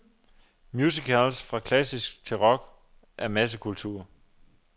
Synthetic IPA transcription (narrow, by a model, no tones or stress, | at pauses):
mjuːs̬ikʰælsfʁɑ̈kʰlæsisɡ̥̚t͡sʰe̝lʁɒ̽ɡ̥ | ʔæɐmæs̬əkʰult͡sʰṵːɐ